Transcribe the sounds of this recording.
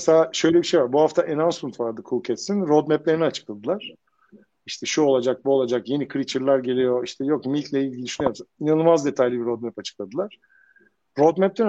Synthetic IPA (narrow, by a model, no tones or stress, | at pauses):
meselʲaːʃø̞jlʲebiʃe̞jvaɾbuhaft̪ʰaʔenansmɯnt̪vaɾd̪ɯkʰucʰɛt̪sinɾod̪mɛplʲeɾiniat͡ʃʰɯ̥klˠad̪ɯlˠaɾ̥ | iʃt̪ʰɛʃuo̞lˠad͡ʒak̚buolˠad͡ʒakje̞nikʰɾit͡ʃʰiɾlʲæɾɟe̞lʲijo̞iʃt̪ʰɛjokmilʲt̪ʲlʲɛilʲɟʲiiyʃynyjoɾmsainanɯlˠmazd̪e̞t̪ʰajlʲibiɾod̪̚mɛpat͡ʃʰɯ̥k̚lˠad̪ɯlˠaɾ̥ | ɾod̪mɛple